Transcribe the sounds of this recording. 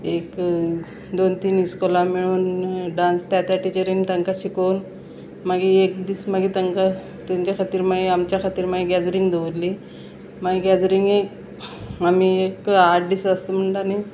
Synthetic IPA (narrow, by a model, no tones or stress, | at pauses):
ek | d̪ont̪iːniskɔlamiɭuːnɖãnst̪jat̪jaʈit͡ɕəɾiŋɡt̪əŋkaɕikəwn | maɡiekd̪iːsmaɡit̪əŋka | t̪aɲt͡ɕjakʰat̪iːɾmaiamt͡ɕjakʰat̪iːɾmaiɡɛd͡zɾiŋɡd̪eʋɾli | maɡiɡɛd͡zɾiŋɡek | amiekaʈ̚ɖisəst̪əm̤əɳdani